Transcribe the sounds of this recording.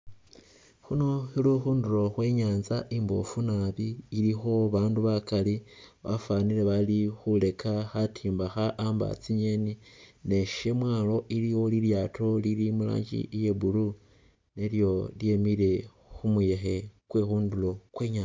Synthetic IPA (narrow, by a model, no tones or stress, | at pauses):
xuno̞xiluxuːndulo̞xwe̞ɲaːnzaʔimbo̰funaβiːlixo̞βaːnduβakaliβa̰fanile̞βalixule̞kʰaxatʰiːmbaxaʔamba̰t͡siɲenine̞ʃe̞mwaːlo̞ʔiliwo̞liljaːtʰo̞lilimula̰ːɲɟḭje̞bulu | neljo̞lje̞mile̞ | xumuje̞xe̞kwexuːndulo̞kwe̞ːɲaːa